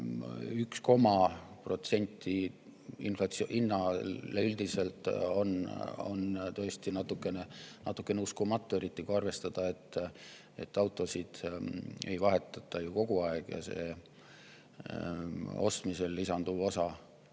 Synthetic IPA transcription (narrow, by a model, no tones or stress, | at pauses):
yksko̞mɑ | pro̞t̪se̞nʲt̪ʰːˑi | inflɑt̪sʔinːɑleyld̪̥ise̞lt̪ˑo̞no̰nt̪ø̞ːst̪inɑt̪ːˑukːˑe̞ne̞nʔɑ̰t̪ːˑukˑːe̞neuskumɑt̪ˑːue̞ɾit̪ːiɡ̥uɑrve̞st̪ɑd̪̥ɑe̞t̪ːˑ | e̞t̪ːˑɑwt̪ˑːo̞sid̪̥e̞jvɑɦe̞t̪ːˑɑt̪ːˑɑjuko̞ɡ̥uɑeɡ̥jɑ̰se̞̰ː | o̞̰st̪mise̞lːisɑnd̪̥uvo̞sɑ